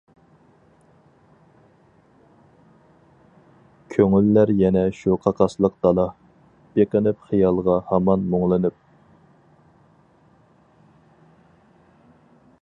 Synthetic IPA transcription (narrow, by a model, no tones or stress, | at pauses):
kʲʰøŋylːæɾjɛnɛʃuqʰɑqʰɑslˠəq̚d̪̥ɑlˠɑ | b̥eqənɪpχijɑlˠʁɑhɑmɑnmoŋlˠɨnɨp̚